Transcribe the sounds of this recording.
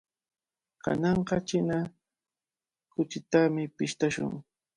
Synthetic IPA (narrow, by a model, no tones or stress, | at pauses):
kʰa̰nɑɴqɑt͡ʃɪna | kʊt͡ʃɪt̪amɪpɪʃt̪aʃʊ̰ŋ